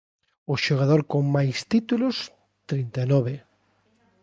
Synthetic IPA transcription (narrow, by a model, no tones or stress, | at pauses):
ʊʃoɣ̞að̞oɾkoŋmajst̪it̪ulʊs | t̪ɾint̪anɔβe